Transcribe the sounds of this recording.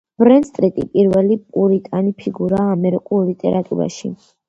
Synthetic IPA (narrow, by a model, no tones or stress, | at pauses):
b̥ɾɛnst̪ʼɾit̪ʼipʼiɾvɛlipʼuɾit̪ʼanipʰiɡuɾaːmɛɾikʼulˠlit̪ʼɛ̰ɾat̪ʼṵɾa̰ʃḭ